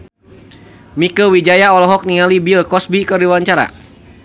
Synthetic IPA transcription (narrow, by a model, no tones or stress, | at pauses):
mikəwid͡ʒajaɔlɔɦɔk̚niŋalibilkɔsbikərdiwaɲt͡ʃaɾa̰